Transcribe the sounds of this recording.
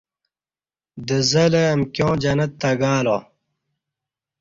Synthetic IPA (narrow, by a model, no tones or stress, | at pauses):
d̪əzɐleɐmkjõːd͡ʑɐnɐt̪ːɐɡaːlo̰ː